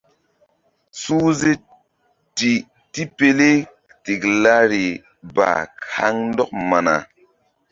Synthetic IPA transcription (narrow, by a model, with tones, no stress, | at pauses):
su˦ze˦ | ti˨ | ti˦pe˨le˦ | ti˨kla˦ɾi˨ | ba̰˨ka̰˦ŋn˦dɔ˦k̚ma˨na̰˨